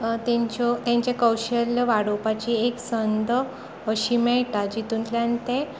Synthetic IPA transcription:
t̪ẽɲt͡ɕot̪jãɲt͡ɕjakəwɕəlʋaɽopat͡ɕieksənd̪ə | əɕiːmɛɭʈad͡ʑit̪unt̪ljant̪e

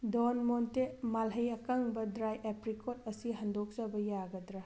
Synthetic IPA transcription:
dɔnmontemalɦɐjɐkaŋbɐdɾajʔepɾikʰot̚ɐsiɦɐndɔk̚zabɐjaɡɐdɾa

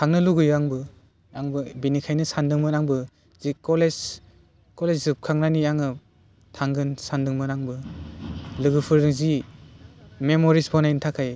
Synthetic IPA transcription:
kʰaŋnɯluɡɯjɡaŋbɯ | aŋbɯbinikʰajnɯsandɯŋmɯnaŋbɯ | z̥ikɔles | kɔleszɯp̚kʰaŋnaniaŋɯ | tʰaŋɡɯnsandɯŋmɯnaŋbɯ | lɯɡɯpʰɯɾnɯzi | memɔɾisbʰɔnajintʰakʰaj

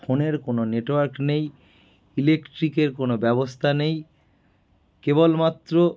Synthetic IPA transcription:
foneɾkononeʈwaɾknej | ilekʈɾikeɾkonobɛbost̪ʰanej | kebolmat̪ːɾo

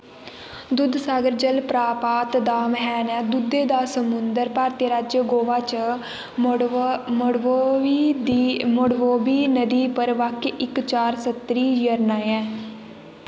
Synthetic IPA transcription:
d̪ʊd̪saːɡəɾd͡ʒəlpɾaːpaːt̪d̪aːmɦɛːnɛːd̪ʊd̪eːd̪aːsəmʊnd̪əɾpaːɾt̪jəɾad͡ʒɡoːʋaːt͡ʃ | d̪mʊɽʋoːbiːnəd̪iːpəɾʋakʔɪkt͡ʃaːɾsət̪ɾiːjəɾnãːɛ̃ː

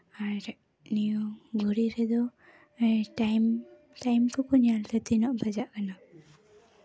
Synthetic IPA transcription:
aɾɾɛ | nijuɡuɾiɾɛd̪ɔ | ʈajm | tajmkʰukɔɲalt̪ɛt̪inɔʔbad͡ʒaʔkana

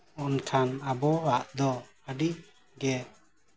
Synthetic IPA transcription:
ɔnʈʰanabɔwaʔd̪ɔ | əɖi | ɡɛ

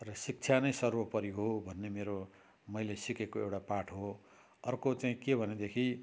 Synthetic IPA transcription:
rʌsik̚t͡sʰjanʌjsʌrwʌpʌɾiɦobʱʌnːemeɾo | mʌjlesikekoewʈapaʈʰɦo | ʌrkot͡saĩkebʱʌned̪ekʰi

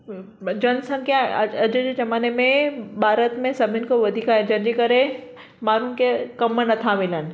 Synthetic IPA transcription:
d͡ʑɐnsɐ̃nkãɐɐd͡ʑd͡ʑeːd͡ʑɐmaːnemẽbʱaːɾət̪mẽsɐbʱɪnɪ̆koʋɐd̪ʱiːkaed͡ʑɐ̃nd͡ʑeːkɐɾe | maːɾʊnɪ̆kʰekɐmnɐt̪ʰamɪlənɪ̆

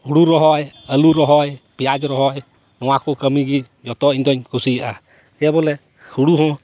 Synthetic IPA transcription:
huɽuɾɔɦɔjəluɾɔɦɔjpijad͡ʒɾɔɦɔj | nɔwakokəmiɡi | d͡ʒɔt̪ɔind̪ɔɲkʰusia | ɛbɔlɛ | huɽuɦɔ̃

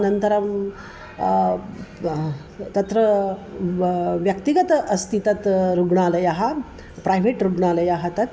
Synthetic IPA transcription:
nɐnt̪ɐɾɐm | t̪ɐt̪ɾɐ | ʋjɐkt̪iɡɐt̪ɐʔɐst̪ʰit̪ɐt̪ɾuɡɳaːlɐjɐɦɐ̆ | pɾajʋeːʈɾuɡɳaːlɐjaɦɐt̪ɐt̪

